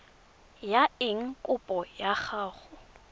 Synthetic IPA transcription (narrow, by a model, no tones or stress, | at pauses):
jaɪŋ̩kʼʊpʼɔjaχaːχʊ